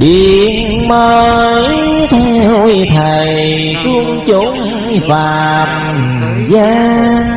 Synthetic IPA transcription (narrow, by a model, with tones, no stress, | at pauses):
ɗi˨˩ən | məː˧j | t̪ʰɛ˧wt̪ʰə˨˩jj | su˧əŋt͡ɕʊ˧˦˥ŋ͡m | faː˨˩˨m̚ | zaː˧˦